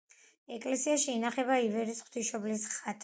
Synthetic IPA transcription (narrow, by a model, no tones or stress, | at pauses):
ɛkʼlɛsiaʃiːnaχɛbaivɛɾisχwt̪ʰiʃɔblisχat̪ʰʼ